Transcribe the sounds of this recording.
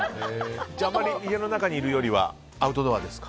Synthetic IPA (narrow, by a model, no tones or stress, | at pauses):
amːaɾʲiiɡe̞no̞nakaɲ̟iːɾɯ̟jo̞ɾʲiβa̰ | aɯ̟t̪o̞d̪oβad̪e̞sɨ̥kḁ